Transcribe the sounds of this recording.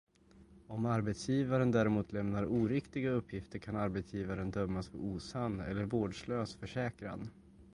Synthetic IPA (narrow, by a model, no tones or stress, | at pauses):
ɔmaɾbɛt̪sjiːvaɾənd̪æːɾɪmuːt̪ʰlɛmnaɾuːɾɪkt̪ɪɡaɵpʰːjɪft̪əɾkʰanaɾbɛt̪sjiːvaɾənd̪œmːasɔɾuːsand̪ɛ̰lːəɾvoːɖʂløːsfœʂɛːkɾa̰n